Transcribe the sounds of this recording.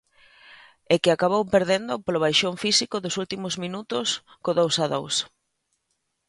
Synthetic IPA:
ekɪakaβ̞owpeɾðend̪ʊpoloβ̞ajʃoɱfisikoðʊsult̪imʊzmĩnut̪ʊs | koðowsaðows

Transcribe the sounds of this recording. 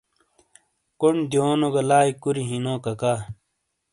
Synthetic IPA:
kond̪ioːnoɡɐlaːikuɾiɦinõːkɐkaː

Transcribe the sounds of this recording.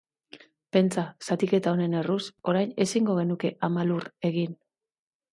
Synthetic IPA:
pe̞nt͡sasat̪ike̞t̪ao̞ne̞ne̞ruso̞ɾajne̞siŋɡo̞ɣ̞e̞nuke̞ʔamalure̞ɣin

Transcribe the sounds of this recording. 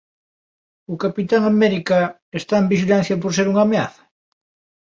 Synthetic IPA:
ʊkapit̪aŋameɾika | est̪aembiʃilan̟θjapoɾs̬eɾuŋamea̰θɐ̥

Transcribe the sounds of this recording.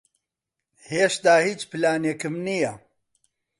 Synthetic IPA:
heːʃt̪aːhiːt͡ʃpɨlaːnekɨmnijɐ

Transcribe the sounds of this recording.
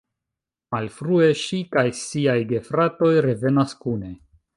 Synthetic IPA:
malfɾue̞ʃikajsiajɡe̞fɾato̞jɾe̞ve̞naskune̞

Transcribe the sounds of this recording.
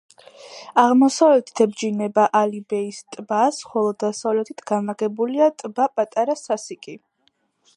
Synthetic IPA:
aʁmɔsavlɛt̪ʰi̥t̪ʰɛbd͡ʒinɛbaʔalibɛist̪ʼbasχɔlˠɔd̪asavlɛt̪ʰit̪ʰɡ̥anaɡɛbuliat̪ʼbapʼat̪ʼaɾasasikʼi

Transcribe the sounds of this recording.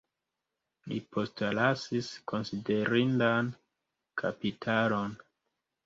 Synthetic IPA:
lḭpʰo̞stlasisko̞nside̞ɾindan | kʰapitʰalo̞n

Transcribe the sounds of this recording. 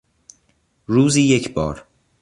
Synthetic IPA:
ɾuːziːjecʰbɒːɾ

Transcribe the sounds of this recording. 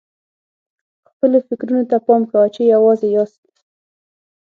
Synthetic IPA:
xpəlofɪkɾunot̪apɑmkawat͡ʃejawɑzejɑst̪

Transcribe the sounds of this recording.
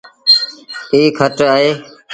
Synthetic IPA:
iːkʰəʈəɦeː

